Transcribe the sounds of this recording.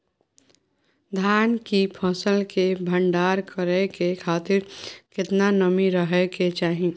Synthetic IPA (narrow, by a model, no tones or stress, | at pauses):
d̪ʱjaːnkipʰɔsəlkebʱə̃ɳɖaːɾkəɾɛkekʰaːt̪ɪɾkɪt̪nanəmiɾəɦɛket͡ʃaːɦi